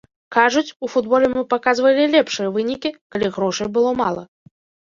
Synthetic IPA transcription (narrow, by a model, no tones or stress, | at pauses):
kaʐut͡sʲufud̪bɔlʲɛmɨpakazvɐlʲilʲɛpʂɨjɐvɨnʲikʲikalʲiɣɾɔʂɐjbɨlˠɔmalˠɐ̰